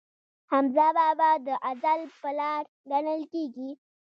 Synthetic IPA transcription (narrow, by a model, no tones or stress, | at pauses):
hamzɑbabad̪əʔazalpəlɑɾ | ɡanəlkeɡi